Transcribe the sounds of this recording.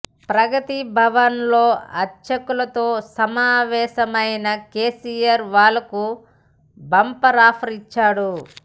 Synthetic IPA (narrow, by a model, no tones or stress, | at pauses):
pɾɐɡɐt̪ibʱɐʋɐnlo̞ːɐt͡ʃɐkulɐt̪o̞ːsɐmaːʋɛːʃɐmɐjnɐke̞ːsijɐɾʋaːlːɐku | bɐmpɐɾaːpʰɐɾit͡ʃːaːɽu